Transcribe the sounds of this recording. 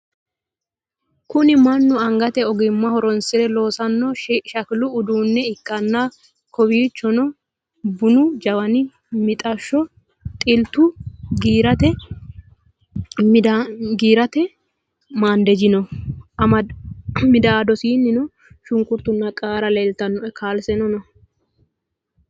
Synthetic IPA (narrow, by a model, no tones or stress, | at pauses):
kʊnɪmɐnːʊɐŋɡɐt̪ɛɔɡɪmːɐhɔɾɔnsɪd̪ɛlo̞ːsɐnːɔʃɐkɪlʊːd̪uːnːɛɪkːɐnːa | kʰɔwiːt͡ʃːɔnɔ | bʊnʊd͡ʒɐwɐnɪ | mɪt̪ʼɐʃːɔ | t̪ʼɪlt̪ːʊɡiːɾɐt̪ɛ | md̪ɡiːɾɐt̪ɛ | maːnd̪ɛd͡ʒɪnɔʔɐmɐmɪd̪aːd̪ɔsiːnːɪnɔ | ʃʊŋkʊɾt̪ːʊnːɐkʼaːɾɐleːlt̪ɐnːɔʔɛkʰaːlsɛnɔnɔ